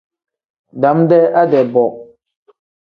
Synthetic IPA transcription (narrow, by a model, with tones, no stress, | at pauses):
da˨˦mdɛ˦a˦dɛ˨bɔ˨